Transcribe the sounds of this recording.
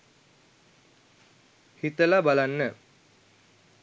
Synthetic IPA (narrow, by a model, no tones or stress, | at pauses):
hit̪əlabalanːə